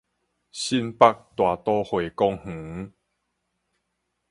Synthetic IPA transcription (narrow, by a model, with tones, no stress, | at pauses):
ɕi˦npa˥˧k̚t̪wa˨˩t̪ɔ˦hwe˨kɔ˦ŋh̩˨˦